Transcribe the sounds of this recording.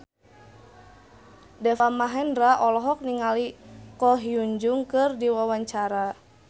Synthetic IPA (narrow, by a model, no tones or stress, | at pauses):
dɛfamaɦɛnraʔɔlɔɦɔk̚niŋalikɔɦiuɲd͡ʒʊŋkɨrdiwawaɲt͡ʃaɾa